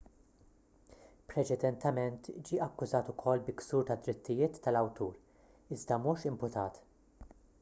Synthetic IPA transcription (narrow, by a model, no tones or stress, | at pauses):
pɾɛt͡ʃɛd̪ɛnt̪ɛmɛnt̪d͡ʒiːʔɐkːʊzɐːt̪ʊkʰɔlːbɪksuːɾt̪ɐd̪ːɾɪt̪ːɪjɪːt̪ʰːɐlɐwt̪uːɾ | ɪzd̪ɐmuːʃɪmpʊt̪ɐːt̪